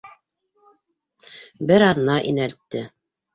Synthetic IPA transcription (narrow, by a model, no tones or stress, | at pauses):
bɘɾɑðnɑʔinælt̪ːɘ